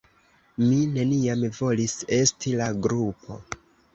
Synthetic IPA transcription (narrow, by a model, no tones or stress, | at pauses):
mine̞niamvo̞lise̞stilaɡɾupʰo̞̰